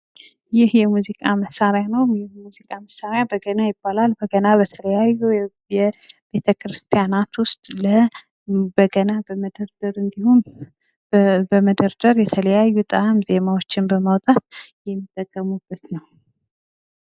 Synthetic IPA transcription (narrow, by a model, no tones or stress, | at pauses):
jɪhjɛmuzikʼaməsːaɾjanəwjɪmuzikʼaməsːaɾjabəɡənajɪbːalalbəɡənabət̪ʰələjajːu | jɛb̥e̞t̪ʰəkʰɾɨst̪ʰijanat̪wʊst̪ʼlə | bəɡənabəməd̪əɾd̪əɾɨnd̪ihun | bəməd̪əɾd̪əɾjɛt̪ʰələjajːut̪ʼaamze̞mawo̞t͡ʃːɪnbəmawt̪ʼat̪̚jɛmːit̪ʼːəkʼːəmubːət̪nəw